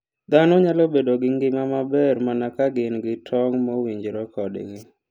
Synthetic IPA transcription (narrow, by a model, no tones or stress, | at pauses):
d̪anoɲalɔbedoɡɪŋɡɪmamabɛrmanakaɡɪnɡɪtʰɔŋmɔwiɲd͡ʒɾɔkɔdɡɪ